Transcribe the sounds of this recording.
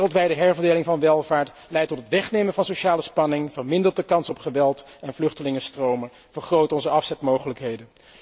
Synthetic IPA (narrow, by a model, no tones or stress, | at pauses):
rəlˠtʋɛjdəɦɛɹvəɹdejlɪŋvɑnʋɛlˠvaːɹt | lɛjtɔtətʋɛχnejmənvɑnsowʃaːləspɑnɪŋvəɹmɪndəɹt̚dəkɑnsɔpχəʋɛlˠtɛnvlɵχtəlɪŋəstrowmə | vəɹχrowtɔnzəɑfsɛtmowχələkɦejdən